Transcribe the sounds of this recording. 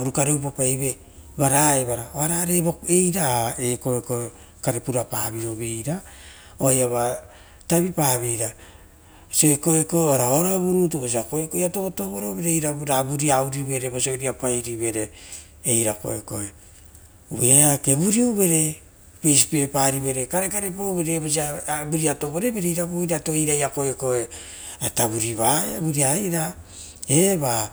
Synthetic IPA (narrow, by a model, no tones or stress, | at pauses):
uɾukaɾeupapajβe̞ | baɾaeβaɾaoaɾaɾeβoejɾaeko̞ekoe | kaɾepuɾapa̰βiɾoβejɾa | oajaβa | taβipaβejɾa | so̞eko̞eko̞aɾaoɾaβuɾutoβos̬iakoekojato̞to̞βoɾoβeɾejɾabɾabuɾiawɾiβe̞ɾeβosojɾiapajɾiβe̞ɾe̞ː | jɾako̰ḛko̞̰e | uβeaake̞βuɾiuβe̞ɾe̞ | pejspepaɾiβe̞ɾekaɾekaɾepoβeɾeβos̬iabuɾiato̞βoɾe̞beɾeiɾaβujɾato̞iɾajako̞eko̞e | ataβuɾiβaeβuɾiaiɾa | eβa